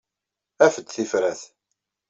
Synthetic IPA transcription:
æfəd̪θifɾæθ

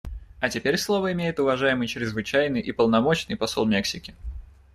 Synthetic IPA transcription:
ɐtʲɪpʲeɾʲslˠovəɪmʲejɪt̪ʊvɐʐajɪmɨjt͡ɕɾʲɪzvɨt͡ɕæjnɨjʔipəlˠnɐmo̞t͡ɕnɨjpɐsolˠmʲeksʲɪkʲɪ̥

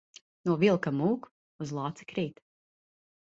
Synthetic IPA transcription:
nuɔvilˠkamuːk | uzlˠɑːt̪si̥kɾiːt̪

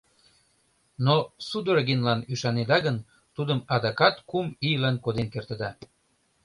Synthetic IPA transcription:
nosud̪əɾɣinlɑnyʃɑned̪ɑɣən | t̪ud̪əmɑd̪ɑkɑt̪kumijlɑnkod̪enkert̪əd̪ɑ

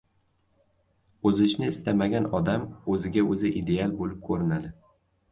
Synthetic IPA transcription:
ɵzɪʃnɪːst̪amaɡʲanɒd̪amɵzɪɡʲaɵzɪʔid̪e̞alˠbolɪp̚kʰɵɾɪnad̪ɪ

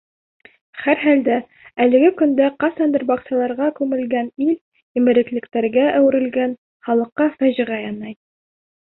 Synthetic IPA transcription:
χæɾɦæld̪æ | ælɘ̆ɡɘkɵ̆nd̪æqɑsɑnd̪ɘ̆ɾbɑqsɑlˠɑɾʁɑkʉmɘ̆lɡænil | imɘ̆ɾɘ̆klɘ̆kt̪æɾɡæʔæwɘ̆ɾɘ̆lɡæn | χɑlˠɤ̆qːɑfæʑɘ̆ʁæjɑnɑj

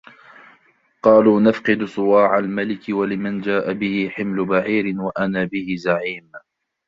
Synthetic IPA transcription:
qɑːluːnafqɨd̪ʊsˤʊwaːʕalmalɪkɪwalɪmand͡ʒaːʔabɪhɪħɪmlʊbaʕiːɾɪwaʔanaːbɪhɪzaʕiːm

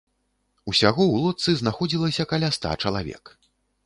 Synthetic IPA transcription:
usʲaɣɔwlˠɔt̪sɨznaxɔd͡zʲilˠɐsʲɐkalʲast̪a̰t͡ʂɐlˠa̰vʲɛ̰k

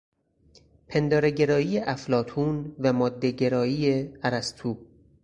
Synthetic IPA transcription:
pʰe̞nd̪ɒːɾeɟe̞ɾɒːijeʔæflɒːt̪ʰuːnvæmɒːd̪ːe̞ɡe̞ɾɒːiːjeæɾæst̪ʰuːb̚

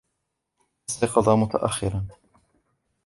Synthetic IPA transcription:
st̪aqɑd̪ˤɑːmʊt̪a̰ʔa̰xːɪɾan

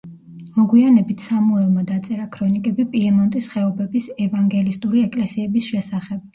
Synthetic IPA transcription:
mɔɡwianɛbit̪ʰsamuɛlˠmad̪at̪sʼɛɾakʰɾɔnikʼɛbipʼiɛmɔnt̪ʼisχɛɔbɛbisɛvaŋɡɛlist̪ʼuɾiɛkʼlɛsiɛbisʃɛsaχɛb̥̚

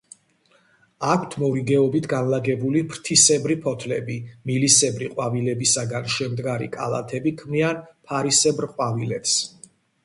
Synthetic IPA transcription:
akʷʰt̪ʰmɔɾiɡɛɔbit̪ʰɡanlaɡɛbulipʰɾt̪ʰisɛbɾipʰɔt̪ʰlɛbimilisɛbɾiqʼwavilɛbisaɡanʃɛmd̪ɡaɾḭkʼa̰la̰t̪ʰɛbikʰmianpʰaɾisɛbɾqʼwavilɛps

